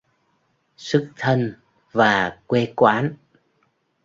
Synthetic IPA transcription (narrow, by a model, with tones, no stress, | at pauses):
sɨ˦˥k̚t̪ʰə˧n | vaː˨˩kwe˧kwaː˨˦n